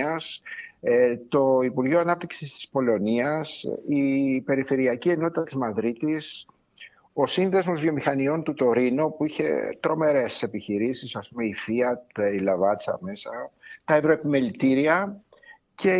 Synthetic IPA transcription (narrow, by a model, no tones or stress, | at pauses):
ɐs | t̪o̞ipuɾʝoɐnɐp̚t̪i̥ksist̪i̥spo̞lo̞niɐsipe̞ɾife̞ɾiɐcie̞not̪it̪ɐt̪izmɐðɾit̪is | o̞sinðe̞zmo̞zvjomixɐnio̞nt̪ut̪o̞ɾinupuiçe̞̰t̪ɾo̞me̞ɾe̞se̞piçiɾisisɐspumeifiɐt̪ilɐvɐt͡sɐ̰me̞sɐt̪ɐevɾoepime̞lit̪iɾiɐ | ce̞